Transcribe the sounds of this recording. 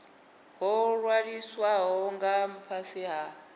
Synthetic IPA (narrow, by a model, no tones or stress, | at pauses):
ɦɔɺwaɺiswaɦɔŋɡam̩pʰasiɦa